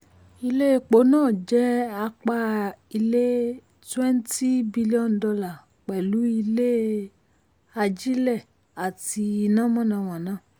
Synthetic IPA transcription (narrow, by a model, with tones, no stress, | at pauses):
i˧le˦e˧k͡po˨˦nãː˦˨d͡ʒɛ˨˦a˧k͡pa˧i˧le˦ | twɛ̃˦n˦ti˦bi˧li˦ɔ˦˨n˨dɔ˧la˨ | k͡pɛ˨lu˨˦i˧le˦ | a˧d͡ʒi˦lɛ˦˨ | a˨ti˧i˧nã˦mɔ̃˦˨nã˨˧˨w̃ã˨nãː˨˦˨